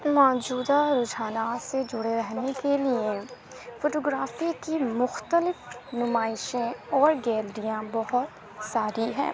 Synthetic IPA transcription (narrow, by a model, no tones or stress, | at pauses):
mɔːd͡ʒuːd̪aɾʊd͡ʒaːnased͡ʒʊɽeɾɛɦnekelie | foːʈoːɡɾaːfikimʊxt̪əlɪfnʊmaːɪʃẽɔːɾɡɛːlɾijãbɐɦʊt̪ | saːɾiɦɛ̰̃ː